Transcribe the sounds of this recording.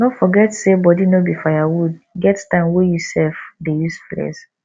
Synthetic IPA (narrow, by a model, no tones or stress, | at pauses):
nɔfɔɡɛtsebɔdinobifajawud̚ɡɛttãɪ̃mwejusɛlfdejusflɛ̰s